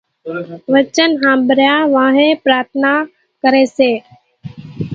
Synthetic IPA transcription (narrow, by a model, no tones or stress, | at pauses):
ʋət͡ʃənɦãːbʱəɾjaːʋãːɦẽːpɾaːɾt̪ʰnaː | kəɾeːseː